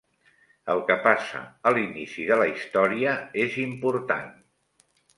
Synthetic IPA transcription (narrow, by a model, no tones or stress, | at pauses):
əlˠkəpasə̰əlinisiðələist̪ɔɾiəezimpuɾt̪a̰n